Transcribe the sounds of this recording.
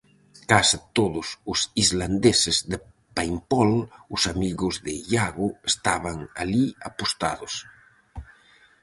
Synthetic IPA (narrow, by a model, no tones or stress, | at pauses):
kasit̪oðʊsʊsizland̪esezðe | pajmpɔlʊsamiɣʊzðeʎaɣʊest̪aβaŋaliapost̪a̰ðos